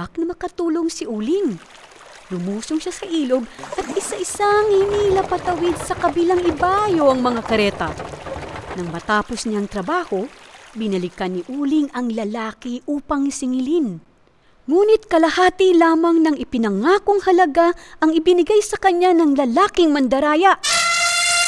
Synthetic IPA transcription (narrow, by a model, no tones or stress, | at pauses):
ak̚nɐmɐkɐt̪uːlo̞ŋsɪʔuːlɪŋ | lʊmuːsoŋʃasɐʔiːlo̞ɡ̚ʔɐt̪̚ʔɪsaʔɪsaŋhɪniːlɐpɐt̪ɐwɪd̪̚sɐkɐbilaŋɪbajoʔɐŋmɐŋakɐɾɛːt̪ɐ | nɐŋmɐt̪aːpo̞sɲaŋt̪ɾɐbaːho̞bɪnɐlɪkɐnɪʔuːlɪŋɐŋlɐlaːkɪʔuːpɐŋsɪŋɪlin | ŋuːnɪt̪̚kɐlɐhaːt̪ilaːmɐŋnɐŋɪpɪnɐŋaːkoŋhɐlɐɡaʔɐŋɪbɪnɪɡajsɐkɐɲːanɐŋlɐlaːkɪŋmɐnd̪ɐɾaːjɐʔ